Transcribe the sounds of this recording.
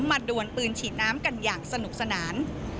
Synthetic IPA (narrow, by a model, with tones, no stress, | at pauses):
mma˧duː˨˩ənpɯː˧nt͡ɕʰiː˨˩t̪̚naː˦˥mka˧njaː˨˩ŋsa˧nu˨˩k̚sa˧naː˩˦n